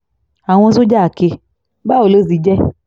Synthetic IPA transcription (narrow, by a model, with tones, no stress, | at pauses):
a˨w̃ɔ̃˧so˦d͡ʒa˦a˨ke˧ | ba˦o˨lo˦s̬i˨˧˦d͡ʒɛ˦